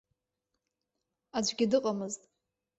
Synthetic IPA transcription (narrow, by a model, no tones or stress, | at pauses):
ad͡ʒʷʼɡʲɪdɨqʼamɨztʼ